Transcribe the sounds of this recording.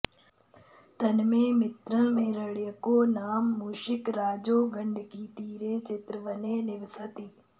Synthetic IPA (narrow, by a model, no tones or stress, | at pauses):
t̪ɐnmẽːmɪt̪ɾə̃mẽːɾəɽjəkoːnaːmːuːʃɪkɾaːd͡ʒoːɡə̃ɳɖʱkiːt̪iːɾeːt͡ʃɪt̪ɾəʋəneːnɪʋɪsət̪iː